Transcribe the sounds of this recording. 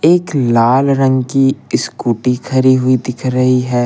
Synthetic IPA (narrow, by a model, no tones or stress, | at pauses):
eːklaːlɾɐ̃ŋɡkiɪskuːʈikʰɐɾiɦʊid̪ɪkʰɾɐɦiɦɛː